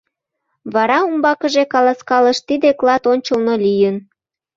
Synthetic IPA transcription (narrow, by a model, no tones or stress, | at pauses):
βɑɾɑumbɑkəʒekɑlɑskɑləʃt̪id̪eklɑt̪onʲt͡ɕəlnolijən